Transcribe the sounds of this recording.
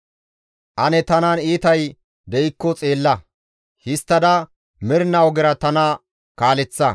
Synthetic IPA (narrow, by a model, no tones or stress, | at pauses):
ʔɐnɛt̪ɐnaniːt̪ɐj | d̪ɛʔɪkːɔt͡sʼe̞ːlːɐ | hɪst̪ːɐd̪ɐ | mɪɾnɐwɔɡɪɾɐt̪ɐnɐ | kaːlɛt͡sːɐ